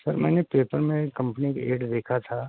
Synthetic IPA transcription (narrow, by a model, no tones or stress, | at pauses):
sɐɾmɛːnepeːpəɾmẽkɐ̃mpənikeːɖd̪eːkʰat̪ʰaː